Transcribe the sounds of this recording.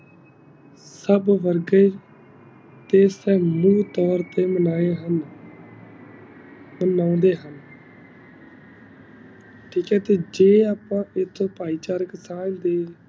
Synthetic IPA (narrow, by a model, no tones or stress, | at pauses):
səbʋəɾɡəiː | t̪eːsɛːmuːt̪ɔːɾt̪eːmənaːeːɦən | mənãːnd̪eːɦən | ʈʰiːkɛːt̪eːd͡ʒeːaːpãːʔɪt̪ʰːõːpaːiːt͡ʃaːɾəksãːnd̪eː